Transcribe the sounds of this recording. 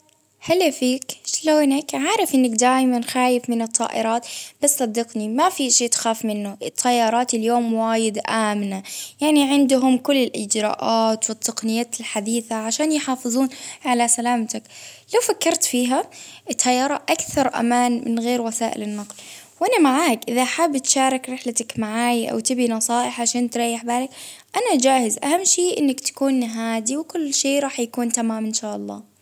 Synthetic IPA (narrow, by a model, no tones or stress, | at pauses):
ħalːafiːkʃloːnakʕaːɾˤɪfʔɪnːakd̪aːjmanxaːjɪfmɪnɨt̪ˤːɑ̰ːʔɪ̰ɾˤɑːt̪basːˤɑd̪ːɪqnimafiʃeːt̪xaːfmɪnːʊʔɪt̪ˤʰːajːɑːɾˤɑːt̪ɪljoːmwaːjɪd̪ʔaːmnajaʕniʕɪnd̪ʊɦʊmkʊlːɪlʔɪd͡ʒɾˤɑ̰ːʔaːt̪wɪt̪ːɑqnɪjːaːt̪ɪlħad̪iːθaʕaʃaːnjħɑːfɨðˤuːnʕalasalaːmt̪aklawfakːɑɾˤt̪fiːɦaɪt̪hajːɑɾˤɑʔakθɑɾˤʔa̰maːnmɪ̰nɣeːɾwasaːʔɪ̰lɪnːɑqlwʔanamaʕaːkʔɪðaʔħaːbːɪt̪ʃaːɾˤɪkɾɪħlat̪akmaʕaːjʔa̰wt̪ɪbinɑsˤɑːʔɪħʕaʃaːnt̪ɾˤɑjːɪħbaːlakʔanad͡ʒaːhɪzʔa̰hamːʃeːʔɪ̰nːakt̪ḁkuːnɦaːd̪iwkʊlːʃeːɾˤɑːħjakuːnt̪amaːmʔɪnʃaːʔɑlˤːɑ̰ː